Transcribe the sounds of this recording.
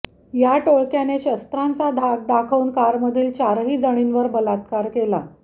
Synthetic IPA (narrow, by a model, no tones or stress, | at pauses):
jaʈoɭkjaneɕəst̪ɾant͡sad̪ʱak̚d̪akʰəuːnkaɾməd̪ʱiːlt͡ɕaɾɦiːd͡zəɽ̃inʋəɾbəlat̪kaɾkela̰